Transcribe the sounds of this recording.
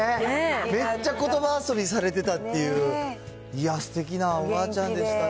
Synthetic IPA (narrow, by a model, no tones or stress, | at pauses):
me̞t͡ɕːako̞t̪o̞baːso̞bʲisaɾe̞t̪e̞t̪at̪ːe̞jɯ̟ː | ijasɨ̥t̪e̞kʲinaobat͡ɕãnd̪e̞sɨ̥t̪a